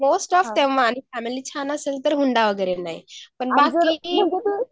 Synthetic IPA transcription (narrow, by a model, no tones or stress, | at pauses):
moːsʈɔːfd̪ɛ̃mʋaːnifʰɛmilit͡ʃʰanəselt̪əɾɦũnd̪aʋəɡeɾenaːɦipənbaːsi